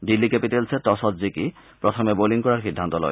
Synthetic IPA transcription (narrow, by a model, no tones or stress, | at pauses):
dilːikepitelsʰɛt̪ɔsɔtzikipɹɔt̪ʰɔmɛboliŋkɔɹaɹxid̪ʱːant̪ɔlɔ̰j